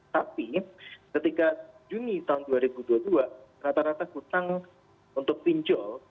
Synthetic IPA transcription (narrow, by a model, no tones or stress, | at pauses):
t̪apikət̪ikad͡ʒunit̪aɦʊnduaɾibuduaduaɾat̪aɾat̪aɡ̥ut̪aŋ | unt̪ʊk̚piɲd͡ʒɔl